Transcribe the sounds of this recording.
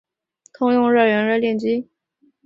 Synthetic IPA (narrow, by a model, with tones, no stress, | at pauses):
k̪ʰʊ˥ŋjʊ˥˧ŋɻə˥˩ɥə˧˥nɻə˥˧ljɛ˥˩nt͡ɕi˥